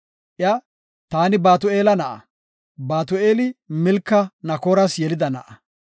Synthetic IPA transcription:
ʔɪja | t̪aːnɪbaːt̪ʊeːlɐnɐʔɐ̰ | baːt̪ʊʔeːlɪmɪlkːɐnɐkoːɾɐsjɛlɪd̪ɐnɐʔɐ

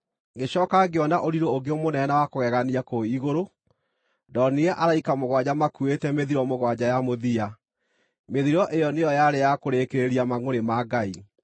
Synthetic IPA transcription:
ɡeɕɔːkaɡeɔnaʔoɾiɾooɡeomonɛnawakoɣɛɣaniakoiɣoɾo | dɔneɛʔaɾaikamoɣwad͡ʑamakuetɛmeðiɾɔmoɣwad͡ʑajamoðia | meðiɾɔʔejɔnejɔjaɾejakoɾekeɾeɾiamaŋoɾemaɡai

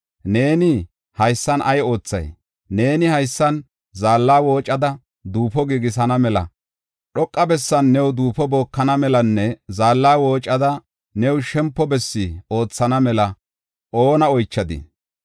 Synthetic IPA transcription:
ne̞ːnɪ | hɐjsːɐnʔɐjo̞ːt͡sːɐ̰j | ne̞ːnɪhɐjsːɐn | zaːlːaːwo̞ːt͡ʃʼːɐd̪ɐ | d̪uːpɔɡiɡɪs̬ɐnɐmɛlɐ̰ | ɗɔkʼːɐbɛsːɐnːɛwd̪uːpɔbo̞ːkːɐnɐmɛlɐnːɛzaːlːaːwo̞ːt͡ʃʼːɐd̪ɐ | nɛwʃɛmpːɔbɛsːɪo̞ːt͡sːɐnɐmɛlɐ | ʔo̞ːnɐɔjt͡ʃːɐd̪ɪ̰

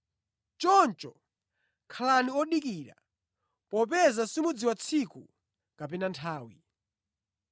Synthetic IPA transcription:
t͡ʃɔnt͡ʃɔ | kʰalaniɔɗikiːɾa̰ | pɔpɛzasimud͡ziwat͡sʰiku | kapɛnantʰaːwi

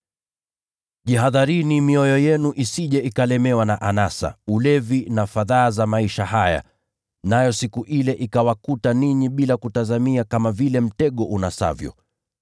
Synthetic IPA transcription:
ʄiɦaðaɾinimiɔjɔjɛnuʔisiʄɛʔikalɛmɛwanaʔanasa̰ulɛvinafaðaːzamaiʃaɦaja̰ | najɔsikuʔilɛʔikawakutaniɲiɓilakutazamiakamavilɛm̩tɛɠɔʔunasa̰vjɔ̰

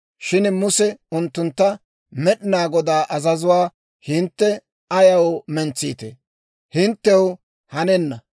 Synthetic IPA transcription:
ʃɪnmʊsɛʊnt̪ːʊnt̪ːɐ | mɛɗɪnaːɡɔd̪aːʔɐzɐzʊwaː | hɪnt̪ːɛ | ʔɐjɐwmɛnt͡sːḭːt̪ḛ | hɪnt̪ːɛw | hɐnɛnːɐ

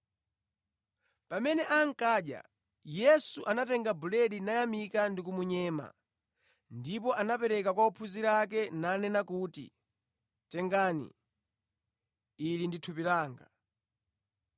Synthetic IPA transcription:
pamɛnɛʔaŋ̩kaːɗja̰ | jɛsuʔanatɛŋɡabulɛɗinajamikandik̬umuɲɛːma̰ | ndipɔʔanapɛɾɛkakwaupʰuziɾak̬ɛnanɛnakuːtḭ | tɛŋɡaːnḭ | linditʰupilaːŋɡa̰

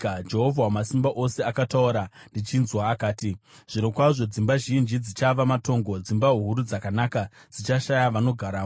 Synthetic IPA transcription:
d͡ʒe̞ɦovʱawamasimbaʔo̞se̞akatauɾandit͡ʃinzwaːkaːti | ʐ̥ino̞kwaʐo̞d͡zimbaʒind͡ʒid͡zit͡ʃaʋamato̞ːŋɡo̞d͡zimbaɦuɦuɾud͡zakanakad͡zit͡ʃaʃajaʋano̞ɡʱaɾaːo

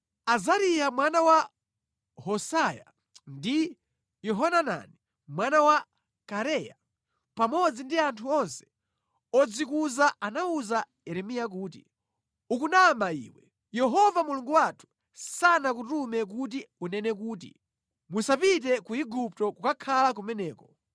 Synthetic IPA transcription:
azaɾijamwanawa | hɔsaja̰ | ndi | jɛɦɔnana̰ni | mwanawa | kaɾɛja̰ | pamɔd͡zindiantʰuɔnsɛ̥ | ɔd͡zikuzaʔanauza | ɛɾɛmijak̬uːtḭ | ukunamaḭːwɛ | jɛɦɔvamuluŋɡuwatʰu̥ | sanak̬utumɛk̬ut̬iunɛnɛk̬uːtḭ | musapit̬ɛkuiɡup̚tɔkukakʰalak̬umɛnɛːkɔ

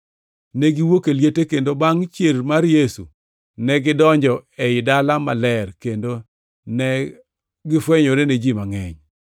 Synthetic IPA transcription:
nɛɡɪwokeljetekendobaŋt͡ʃjelmaɾjesṵ | nɛɡɪdɔɲd͡ʒɔeɪdalamalɛrkendo | nɛ | ɡɪfweɲoɾened͡ʒimaŋɛɲ

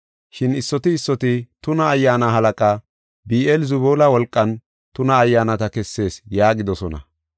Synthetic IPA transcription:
ʃɪnɪsːɔt̪ɪːsːɔt̪ɪt̪ʊnɐːjːaːnaɦɐlɐkʼaː | biːʔɛlzʊβoːlɐwɔlkʼːɐn | t̪ʊnɐːjːaːnɐt̪ɐkɛsːe̞ːsjaːɡɪd̪ɔsɔnɐ̰

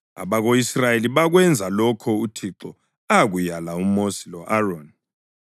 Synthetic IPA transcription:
a̰βaɣoisrajeliβaɣwɛnd͡zʱalɔkʰɔutʰiǁɔ | aɣujalaumosilɔʔaron

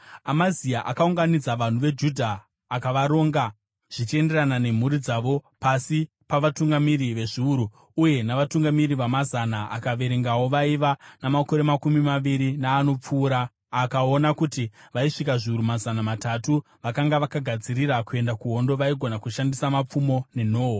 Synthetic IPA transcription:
amaziaʔakauŋɡanid͡zaʋan̤uʋe̞d͡ʒudʱaː | kaʋaɾo̞ːŋɡa | ʐ̥it͡ʃe̞nde̞ranane̞m̤uɾid͡zaʋo̞pasi | paʋatuŋɡamiɾiʋe̞ʐiuɾuː | je̞naʋatuŋɡamiriʋamazanaakaʋe̞ɾe̞ŋɡawo̞ʋaiʋanamako̞ɾe̞makumimaʋiɾinaːno̞p͡fuːɾaː | kao̞nakutiʋaiʂikaʐiuɾumazanamatatu | ʋakaŋɡaʋakaɡʱad͡ziɾiɾakue̞ndakuɦo̞ndo̞ʋaiɡʱo̞nakuʃandisamap͡fumo̞ne̞no̞ːɦo

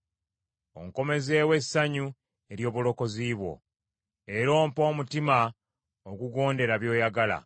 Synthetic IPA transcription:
o̰ŋko̞me̞ze̞ːwe̞sːaɲu | e̞ɾjo̞ːβulo̞ko̞ziːβwo̞̰ | eɾo̞ːmpo̞ːmutima | oɡuɡo̞ːnde̞ɾaβjo̞ːjaɡala̰

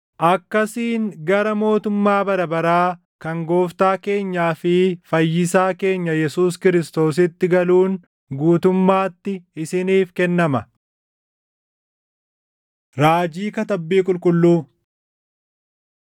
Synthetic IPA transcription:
ʔɐkːɐsiːnɡɐɾɐmo̞ːt̪ʊmːaːbɐɾɐbɐɾaː | kɐŋɡo̞ːft̪aːke̞ːɲːaːfɪfɐjːɪsaːke̞ːɲːɐjɛsuːskɪɾɪst̪o̞ːs̬ɪt̪ːɪɡɐluːn | ɡuːt̪ʊmːaːt̪ːɪɪsɪniːfkɛnːɐmɐ | ɾaːd͡ʒiːkɐt̪ɐbːiːkʼʊlkʼʊlːuː

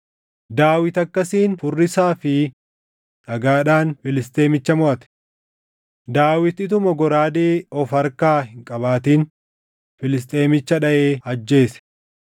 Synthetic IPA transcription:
d̪aːwɪt̪ɐkːɐsiːnfʊrːɪsaːfɪ | ᶑɐɡaːᶑaːnfɪlɪst̪ʼe̞ːmɪt͡ʃːɐmɔʔɐt̪ɛ̥ | d̪aːwɪt̪ɪt̪̬ʊmɔɡɔɾaːd̪eːɔfɐɾkaːhɪŋkʼɐβaːt̪iːn | fɪlɪs̬t̪ʼe̞ːmɪt͡ʃːɐᶑɐʔeːɐd͡ʒːe̞ːsɛ̥

